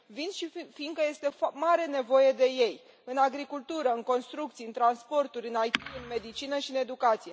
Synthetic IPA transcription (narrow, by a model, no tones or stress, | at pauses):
vind̪ʃifiːnɡ̪̚kəje̞st̪e̞maɾe̞ne̞vo̞je̞d̪e̞je̞j | ɨnaɡɾikult̪uɾəɨŋko̞nst̪ɾuk̚t̪siɨnt̪ɾanspo̞rt̪uɾʲɨnajt̪iɨnme̞d̪it͡ʃinəʃiɨne̞d̪ukat̪sije̞